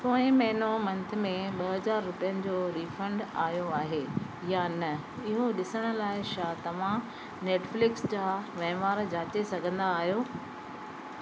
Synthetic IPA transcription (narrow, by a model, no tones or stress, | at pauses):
koːɪ̃mɐɦɪnomɐ̃nt̪ʰɪ̆mẽɓɐɦɐzaːɾːʊpijənɪ̆d͡ʑoːɾiːfə̃ɳɖaːjoaːɦe | jaːnɐ | ɪɦũɗɪsəɽ̃ʊ̆laːɪʃaːt̪ɐʋ̤ã | neːʈflɪksd͡ʑaːʋɐ̃ɦʋaːɾd͡ʑaːt͡ɕesɐɡʱə̃nd̪aːɦijoː